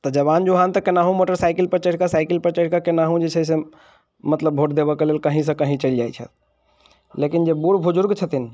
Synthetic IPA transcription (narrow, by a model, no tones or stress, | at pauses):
t̪əd͡ʒəβand͡ʒuɦant̪əkenaɦũmoʈəɾsaɪkilpəɾt͡ʃəʈkasaɪkilpəɾt͡ʃəʈkakenaɦũd͡ʒet͡ʃʰɛse | mət̪ləbbʱoʈd̪ebəkelelkəɦĩs̬ə̃kəɦĩt͡ʃəld͡ʒajt͡ʃʰə̰t̪ | lekind͡ʒebuɾbʱud͡ʒʊɾɡt͡ʃʰət̪in